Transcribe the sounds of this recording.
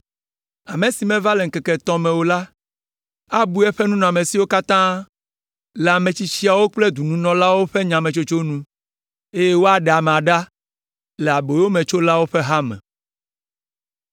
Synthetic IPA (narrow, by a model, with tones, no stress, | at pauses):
a˨mẽ˨si˨mɛ̃˦va˦le˨ŋ̩˦kɛ˨kɛ˨t̪ɔ̃˦mɛ̃˨wo˦la˦ | a˦bu˦ɛ˦ɸɛ˦nũ˦nɔ̃˨a˨mẽ˨si˦wo˦ka˦t̪ã˦ | lɛ˨a˨mẽ˨t͡ɕi˦t͡ɕi˦a˨wo˦k͡ple˦d̪u˨nũ˦nɔ̃˨la˦wo˦ɸe˦ɲã˨mɛ̃˨t͡ʃo˦t͡ʃo˦nũ˦ | e˦je˦wo˦a˨ɖe˨a˨m̃˨a˨ɖa˦ | lɛ˨a˨bo˨jwo˦mɛ̃˨t͡ʃo˦la˦wo˦ɸɛ˦ɦa˦mɛ̰̃˨